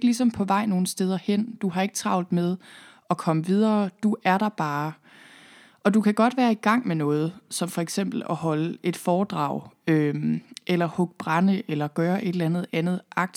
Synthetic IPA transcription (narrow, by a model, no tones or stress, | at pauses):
ɡ̥əlis̬ɒ̽mpʰɒ̽ʋɑ̈ɪ̰no̝ːn̩sd̥eːð̞ˠɐhen̰d̥uɦɑ̈e̝ɡ̥ət͡sʰʁɑ̈ʊ̰nð̩ˠmeð̞ˠ | ɒ̽kʰɒ̽məʋið̞ˠɐːd̥uʔæɐɾ̥ɑ̈b̥ɑː | ʔɒ̽d̥ukʰæɡ̥ɒ̽d̥ʋæːɐiɡ̥ɑ̈ŋ̰menɔ̽ːð̞̩ˠsɒ̽mfɒ̽eɡ̥sem̰b̥l̩ɒɦɒ̽ləʔe̝d̥fɒːd̥ʁɑ̰̈ʊ̰ømʔelɐhɔɡ̥̚b̥ʁɑnəʔelɐɡ̥ɶːɐʔe̝d̥lænð̞̩ˠænð̞̩ˠʔɑ̈ɡ̥̚d̥